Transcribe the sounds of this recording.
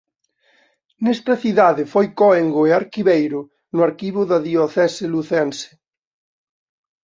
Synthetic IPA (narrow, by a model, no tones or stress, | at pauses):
nɛst̪ɐθiðaðɪfojkoeŋɡoeaɾkiβejɾʊ | nʊaɾkiβʊðɐðioθɛseluθensɪ̥